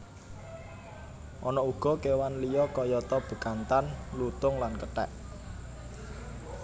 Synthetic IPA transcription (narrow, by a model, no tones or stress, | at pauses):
ʔɔnɔuɡ̥ɔ̤kewanlijɔkɔjɔt̪ɔb̥ə̤kant̪anlut̪ʊŋlankəʈɛ̰ʔ